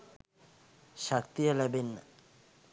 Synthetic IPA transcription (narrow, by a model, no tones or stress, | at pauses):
ʃakt̪ialɛben